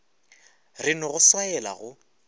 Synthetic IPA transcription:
rɪnʊɣʊswaɛla̰ɣʊ

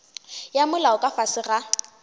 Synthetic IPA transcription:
jamʊlaʊkʼafasɪra

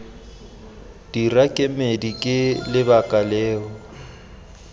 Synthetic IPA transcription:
d̥irakʼɪmedikʼɪlɪbakʼalɛːɔ

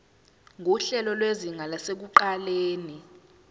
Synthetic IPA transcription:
ŋʱuɬɛlɔlweziŋʱalasek̬uǃaleːni

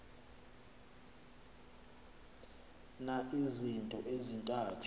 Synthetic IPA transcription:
naʔizintʼɔʔezintʼaːtʰ

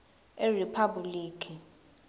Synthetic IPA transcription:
eripʰabuliːkʰi

